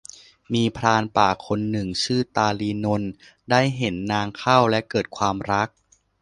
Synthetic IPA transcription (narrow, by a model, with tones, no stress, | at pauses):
miː˧pʰɾaː˧npaː˨˩kʰo˧nːɯ˨˩ŋt͡ɕʰɯː˥˩t̪aː˧liː˧no˧n | daː˥˩jɦe˩˦nːaː˧ŋkʰa˥˩wlɛ˦˥kɤː˨˩t̪̚kʰwaː˧mɾa˦˥k̚